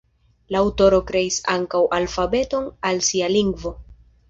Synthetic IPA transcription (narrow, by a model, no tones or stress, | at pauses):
laːwto̞ɾo̞kɾe̞isaŋkawʔalfabe̞to̞nalsialiŋɡvo̞